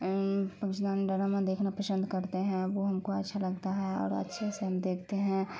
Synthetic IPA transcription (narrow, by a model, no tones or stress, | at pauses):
pəkɪt͡ʃd̪aːnɖəɾamãd̪eːkʰnapɾəsə̃nd̪ʱkɐɾt̪eɦɛ̃ʋoɦɐmkoɐtːʃʰalɐɡt̪aɦɛɔ̰ːɾɐ̰tːʃʰeseɦɐmd̪eːkʰt̪eɦɛ̃